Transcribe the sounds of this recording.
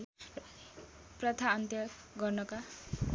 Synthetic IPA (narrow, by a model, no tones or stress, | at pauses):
prʌt̪ʰaːnt̪jʌ | ɡʌrnʌka